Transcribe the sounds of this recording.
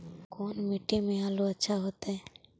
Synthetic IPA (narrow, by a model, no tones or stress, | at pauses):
koːnmɪʈːemẽaːloətːʃʰaɦoːt̪ɦɛː